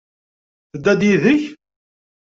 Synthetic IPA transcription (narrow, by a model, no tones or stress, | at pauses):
θəd̪ːæd̪jiðəç